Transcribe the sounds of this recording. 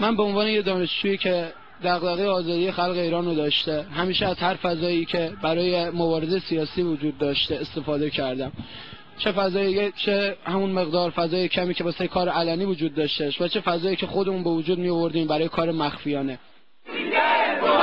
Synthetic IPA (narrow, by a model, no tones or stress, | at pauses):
mænbeonvɒːnejed̪ɒːneʃd͡ʒuːiːcʰe̞ | d̪æɣlæɣejeɒːzɒːd̪ijexælɣe̞iːɾɒːnrod̪ɒːʃt̪e̞ɦæmiːʃeæzhæɾfæzɒːjiːcʰe̞bæɾɒːjemobɒːɾezejesijɒːsiːvod͡ʒuːd̪̚ːɒːʃt̪eːst̪e̞fɒːd̪e̞cʰæɾd̪æm | t͡ʃʰefæzɒːjiet͡ʃʰehæmunme̞ɣd̪ɒːɾfæzɒːjecʰæmiːcʰe̞bɒsejkʰɒːɾeælæniːvod͡ʒuːd̪ːɒːʃt̪eʃvæt͡ʃʰe̞fæzɒːjiːcʰe̞xod̪e̞muːnbe̞vod͡ʒuːd̪mijo̞vo̞ɾd̪iːmbæɾɒːjekʰɒːɾemæxfijɒːne̞